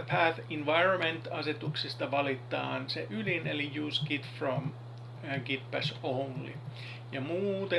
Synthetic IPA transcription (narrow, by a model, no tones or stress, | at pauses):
pʰæθinʋɑjronmẽnt̪ɑset̪uksist̪ɑʋɑlit̪ːˑɑ̰ːnseʔylinelijuːsɡit̪from | ɡ̥it̪̚pæsonlḭ | jɑmuːt̪e